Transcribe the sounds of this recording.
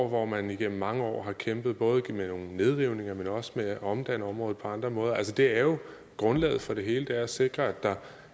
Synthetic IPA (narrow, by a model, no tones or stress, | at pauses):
ʋɒmæniɡ̥em̰m̩ːɑ̈ŋəɒ̰ːɦɑ̈kʰemb̥ð̩ˠb̥ɔ̽ːðˠmeno̝ːŋne̝ð̞ˠʁiʊne̝ŋɐmenɒ̽smeɒ̽md̥ænəɒ̽mʁɔ̽ːð̩ˠpʰɒ̽ɑ̈nd̥ʁɐmɔ̽ːð̞ˠɐæls̬əd̥e̝æɐjo̝ | ɡ̥ʁɔ̽nlɛ̰ːð̩ˠfɒ̽ɾ̥e̝ɦe̝ːləd̥eæɐæse̝ɡ̥ʁɐæd̥ɑ̈